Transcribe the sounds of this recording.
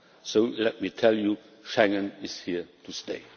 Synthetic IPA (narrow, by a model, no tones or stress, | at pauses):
soʊlɛt̚mitʰɛlju | ʃɛ̃ŋə̃nɪz̥hitʰusteɪ